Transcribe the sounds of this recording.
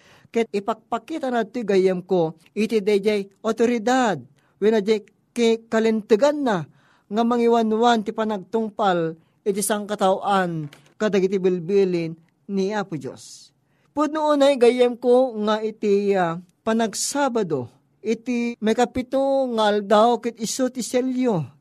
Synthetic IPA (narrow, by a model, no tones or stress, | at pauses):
kɛɪpaɡ̚pakit̪anad̪̚t̪ːoɡajɛmko | ɪt̪id̪ad͡ʒajʔot̪oɾɪd̪ad̪̚ | winad͡ʒaj | kikɐlɪnt̪ɨɡanːa | ŋamɐŋiwanuwant̪ipanaɡ̚t̪ʊŋpal | ɪt̪isaŋkɐt̪awʔan | kad̪aɡit̪ibɪlbilɪn | niapʊd͡ʒo̰s | pʊd̪̚nʊonaiɡajɛmkoŋait̪ia | panaɡsabad̪o | ʔɪt̪imajkɐpɪt̪oŋaald̪awkɪt̪̚ɪsot̪ɪsɛljo